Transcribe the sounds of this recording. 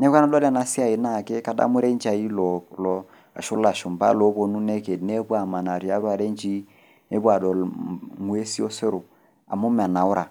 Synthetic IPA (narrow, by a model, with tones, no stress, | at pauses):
nɛ˦ka˦na˦lɔ˦la˨na˦si˦a˦˨i˨na˦˨ke˦ka˨da̰˦mu˦ɾe˦nd͡ʒa˨i˦lɔ˨lɔ˨ | a̰˨ʃʊ˦la˨ʃu˨mba̰˦lo˨˦bo˨nu˦ne˦ke˨dne˦bwa˨ma˨na˨ɾi˨a˦ɾwa˨ɾe˦nd͡ʒi˦ | ne˦ba˨dɔ˨lŋwe˦si˦o˦se˦ɾo˨ | a̰˨mu˦m˨a˨na˨ʊ˦ɾa˨